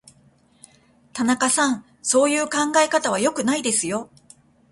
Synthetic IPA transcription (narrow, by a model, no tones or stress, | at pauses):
t̪anakasãɴ̃ | so̞ːjɯ̟ːkãŋɡae̞kat̪aβ̞ajo̞kɯ̟naid̪e̞sɨjo̞